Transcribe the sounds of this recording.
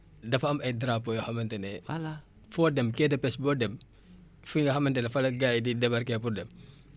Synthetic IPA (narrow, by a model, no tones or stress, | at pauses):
dɐfɐɐmɐjdɾapːojɔxɐmɐntɛnɛ | fɔdɛmkɛdɐpɛsbɔdɛm | fuŋɡɐhɐmɐntɛnɛfɐlɐɡaːjdidɛbɐrkɛpurdɛm